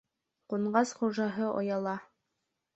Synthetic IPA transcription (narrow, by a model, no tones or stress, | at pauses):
quɴɢɑsχuʒɑɦɤʔo̰jɑlˠɑ